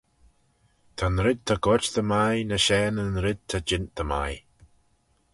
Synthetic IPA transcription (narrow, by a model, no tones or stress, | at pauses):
t̪ʰanɾɪd̪̚t̪ʰaɡɔt͡ʃðəmajnəʃɛːnənɾɪd̪̚t̪ʰad͡ʒɪnt̪̚d̪əma̰j